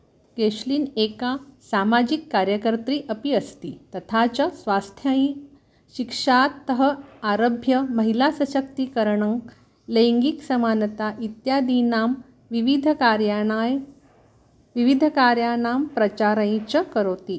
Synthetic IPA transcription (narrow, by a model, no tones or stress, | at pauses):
keɕliːnekasamad͡ʑikːaɾjəkəɾt̪ɾiːʔəpiəst̪iːt̪ət̪ʰat͡ɕasʋast̪ʰjə̃ | ɕikʂat̪ːəɦəaɾəbʱjəməɦilasəɕək̚t̪ikəɾɳəŋ | leŋɡiksəmanət̪aʔit̪jad̪inam | ʋiʋid̪ʱəkaɾjaaj | ʋiʋid̪ʱəkaɾjanampɾət͡ɕaɾəj̃t͡ɕəkəɾot̪i